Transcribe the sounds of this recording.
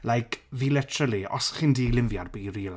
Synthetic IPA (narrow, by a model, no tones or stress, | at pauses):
lajkʰviːlɛtʰrəliɔ̰sχindiːlɪmvjarbiiɾiːl